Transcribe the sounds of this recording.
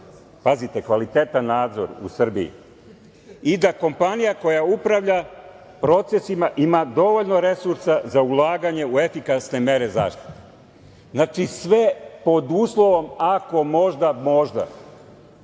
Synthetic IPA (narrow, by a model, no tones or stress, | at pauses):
pazit̪e̞kʋalit̪eːt̪anːaːd̪zo̞̰ɾṵsr̩bḭḭ | id̪ako̞mpanijako̞jaupɾaʋʎa | pɾo̞t̪se̞simaʔimad̪o̞ʋo̞ʎno̞ɾe̞suɾsazaulˠaːɡaɲe̞ue̞fikasne̞me̞ɾe̞za̰ːʃt̪i̥t̪e | znat͡ʃisʋe̞po̞d̪uːslˠo̞ʋo̞mako̞mo̞ʒd̪amo̞ʒd̪a̰